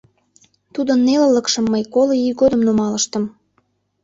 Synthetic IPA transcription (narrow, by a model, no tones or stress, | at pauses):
t̪ud̪ənːelələkʃəmːəjkoloiɡod̪ə̆mnomɑləʃt̪ə̆m